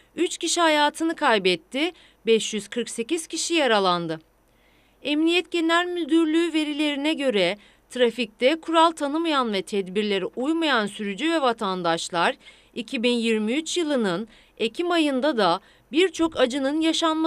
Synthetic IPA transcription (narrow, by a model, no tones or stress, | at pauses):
yt͡ʃciʃihajaːt̪ʰɯnɯkʰajbɛt̪ʰːɪ | bɛʃjyz̥kʰɯɾkse̞ciz̥cʰiʃijaɾalˠand̪ɯ | ɛmnijɛt̪cenæɾmylʲd̪yɾlʲyːve̞ɾilʲe̞ɾinɛɟø̞ɾɛ | t̪ʰɾafic̚t̪ɛkʰuɾalˠt̪ʰanɯmajanvɛt̪ʰɛd̪biɾlʲe̞ɾiʔujmajansyɾyd͡ʒyvɛvat̪ʰand̪aʃlˠaɾ | icʰibinjiɾmiyt͡ʃjɯlˠɯnɯn | e̞cʰimajɯnd̪ad̪a | biɾt͡ʃʰo̞kʰad͡ʒɯnɯnjaʃanma